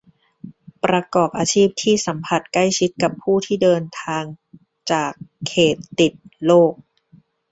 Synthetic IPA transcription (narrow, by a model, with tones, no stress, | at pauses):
pɾa˧kɔː˨˩p̚ʔaː˧t͡ɕʰiː˥˩p̚t̪ʰiː˥˩sa˩˦mpʰa˧˩t̪̚kla˥˩jt͡ɕʰi˦˥t̪̚ka˨˩pʰːuː˥˩t̪ʰiː˥˩dɤː˧nt̪ʰaː˧ŋ | t͡ɕaː˨˩kʰːeː˨˩t̪ːi˨˩t̪̚loː˥˩k̚